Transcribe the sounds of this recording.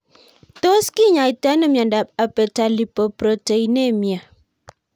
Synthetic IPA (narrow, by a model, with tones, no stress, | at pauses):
to˦ski˦ɲa˨i˨ta˦nə˦mja˨nda˨p̚a˨pə˨ta˨li˨po˨pɾo˨te˨i˦ne˦˨mja˨